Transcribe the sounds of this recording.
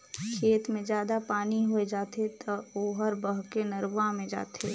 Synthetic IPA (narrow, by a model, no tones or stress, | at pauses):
kʰeːt̪mẽd͡ʒjaːd̪apaːniɦoed͡ʒaːt̪et̪ɐoːɦəɾbəɦkenɐɾʋamẽd͡ʒa̰ːt̪ʰeː